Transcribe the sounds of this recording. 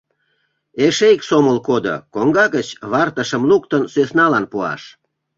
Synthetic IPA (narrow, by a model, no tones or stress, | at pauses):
eʃejksoməlkod̪o̰koŋɡɑɣət͡ɕβɑrt̪əʃəmlukt̪ənsøsnɑlɑnpuɑ̰ʃ